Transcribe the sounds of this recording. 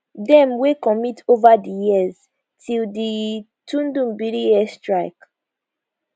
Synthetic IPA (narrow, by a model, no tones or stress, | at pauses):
dɛ̃mwekɔmitʰovadijiz | tʰildi | tũndũmbilijɛstɹaɪk